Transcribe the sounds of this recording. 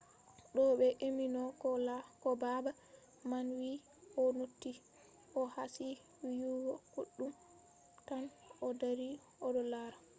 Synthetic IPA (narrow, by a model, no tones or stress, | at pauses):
ɗɔɓɛʔeminɔkɔakɔbaba | manwi | ʔɔnotːi | ʔɔhasi | wijuɡɔkuɗːum | tanɔdaɾi | ɔɗɔlaɾa